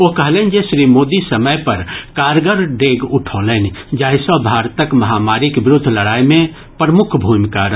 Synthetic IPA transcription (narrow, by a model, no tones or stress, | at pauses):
okəɦleːnd͡ʒesɾimoːd̪isəməjpəɾkaːɾɡəɾɖeːɡʊʈʰoːlend͡ʒaːisɔbʱaːɾt̪əkməɦaːmaːɾikbɾʊd̪ʱːləɽaːjmẽ | pɾəmʊkʰbʱumkaɾə